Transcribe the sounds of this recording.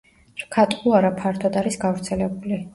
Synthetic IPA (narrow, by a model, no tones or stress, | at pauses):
ɾkʰat̪ʼqʼuaɾapʰaɾt̪ʰɔd̪aɾisɡavɾt̪sʰɛlɛbuli